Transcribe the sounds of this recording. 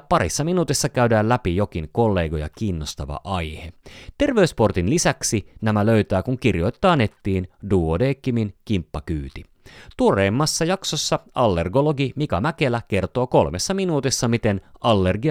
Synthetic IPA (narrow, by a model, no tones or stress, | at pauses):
pɑɾḭsːɑminuːt̪isːɑkæyɥdæːllæpijo̞k̟iŋko̞lːe̞ːɡo̞jɑ̰kiːnːost̪ɑʋɑ̰ʔɑjhet̪e̞rʋe̞yspo̞rt̪inlisæksinæmælø̞yɥt̪æːkuŋkirjo̞jt̪ːɑːnet̪ːiːnduːodeːkːiminkimpːɑkyːt̪i | t̪ureːmːɑsːɑjɑksosːɑɑlːe̞rɡoloɡimikɑmækelæke̞rt̪o̞ːko̞lmesːɑminuːt̪isːɑmit̪enɑlːerɡi